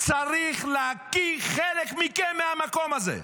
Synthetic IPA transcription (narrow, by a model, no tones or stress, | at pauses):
t͡saʁiχleakiχelekmikenmeamako̞mazḛ